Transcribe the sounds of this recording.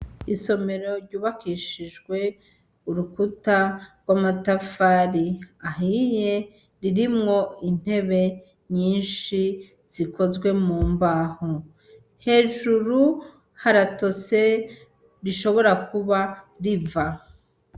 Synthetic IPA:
iso̞me̞ɾo̞ɾɟuːβakiʃiʒɡwe̞ | uɾukutaɡwamatafaːɾiaɦije | ɾiɾimŋo̞in̥he̞βe̞ | ɲiːnʃi | z̥iko̞zɡwe̞muːmbaːho | he̞ːʒuɾu | haɾato̞se̞ | ɾiʃo̞βo̞ɾakuβa | ɾiva

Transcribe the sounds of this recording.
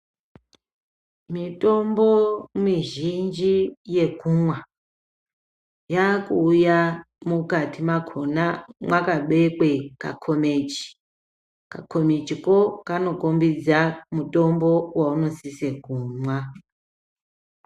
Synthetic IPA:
mito̞mbomiʒind͡ʒije̞kumwa | jakuːja | mukatʰimakʰonamwakaɓe̞kwe̞ka̰kʰo̞met͡ʃi̥ | kakʰo̞met͡ʃikokano̞kombid͡zamuto̞mbo̞wauno̞sisekuːmwa

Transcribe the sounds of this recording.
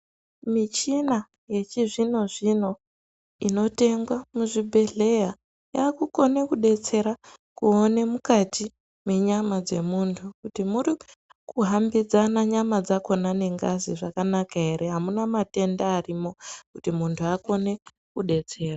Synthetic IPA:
mit͡ʃina | je̞t͡ʃiʐino̞ʐino̞ | ino̞te̞ŋɡwamuʐibʱe̞ɮe̞ja | jaːkuko̞ne̞kuɗe̞t͡se̞ɾakuone̞mukati | me̞ɲamad͡ze̞muːntʰukutimuɾi | kuɦambid͡zanaɲamad͡zako̞nane̞ŋɡaziʐakanakaɦe̞ɾeɦamunamate̞ndaːrimo̞kutimuntʰuako̞ne̞ | kuɗe̞t͡se̞ːra

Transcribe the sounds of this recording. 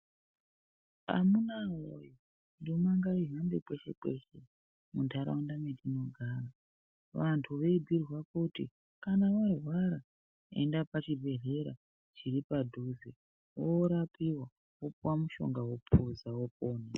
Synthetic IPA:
a̰munao̰jo | ndomaŋɡaiɦambekwe̞ʃe̞̰kwḛʃe | muntʰaɾa̰undamedino̞ɡʱaːra | ʋantʰuʋe̞ibʱirwakutḭ | kanaʋarwaɾa | ḛndapat͡ʃibʱe̞ɮe̞ɾa̰ | t͡ʃiɾipadʱuzi | woɾapiwa | wopuwamuʃo̰ŋɡawopʰuzawop̚oːne

